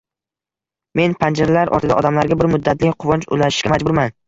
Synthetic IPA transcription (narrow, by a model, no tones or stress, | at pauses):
me̞npʰand͡ʒaɾlaɾʔɒ̰t̪ɪd̪a̰ɒ̰d̪amlaɾɡʲabɪɾmʊd̪ːat̪ʰlɪkʲqʰʊvɒnt͡ʃʊ̰laʃɪ̥ʃkʲamad͡ʒbʊɾman